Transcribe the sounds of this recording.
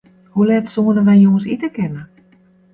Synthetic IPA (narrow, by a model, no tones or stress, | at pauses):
hulɛtsoːəndəʋɛjjoːənsitəkɪnə